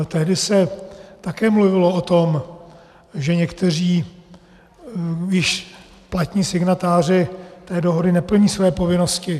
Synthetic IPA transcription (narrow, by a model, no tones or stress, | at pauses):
t̪ɛɦdɪsɛt̪akɛːmluvɪloot̪o̞m | ʒɛɲɛkt̪ɛr̝iː | ɪʃ | plat̪ɲiːsɪɡnat̪aːr̝ɪt̪ɛːdoɦo̞dɪnɛpl̩ɲiːsvɛjɛpo̞vɪnoscɪ